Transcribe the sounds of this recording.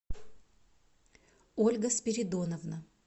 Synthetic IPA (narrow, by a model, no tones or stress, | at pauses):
olʲɡəspʲɪɾʲɪd̪onəvnə